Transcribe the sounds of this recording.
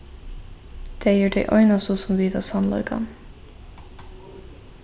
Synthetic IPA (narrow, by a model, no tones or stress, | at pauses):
d̪̥eːjiːɖeɪʔœʏnɑsoːsɔmʋiːd̪ɑːsɑnlɑ̰ʏɡɑ̰n